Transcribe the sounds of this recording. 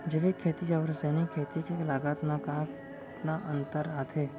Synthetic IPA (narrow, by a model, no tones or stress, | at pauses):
d͡ʒeʋekʰːeːt̪id͡ʒaʋɾseːnikʰːeːt̪ikelaːɡət̪naka | t̪naʔə̃nt̪əɾaːt̪ʰeː